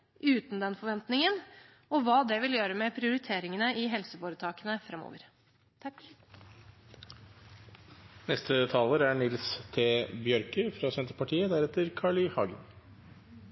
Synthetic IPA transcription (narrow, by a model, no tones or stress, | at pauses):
ʔʉːt̪n̩d̪ɛnfɔɾʋɛnt̪nɪŋən | ɔʋɑːd̪ɛʋɪljøːɾəmɛpʰɾɪʊɾɪt̪ʰeːɾɪŋənəʔɪɦɛlsəfoːɾət̪ʰɑːkənəfɾɛmːo̰ːʋəɾ | nɛst̪ʰət̪ʰɑːləɾæɳɪlst̪ʰeːbjœɾkəfɾɑsɛnt̪əpɑʈʰiːəd̪æɾɛt̪əɾkʰɑːɭɪhɑːɡə̰n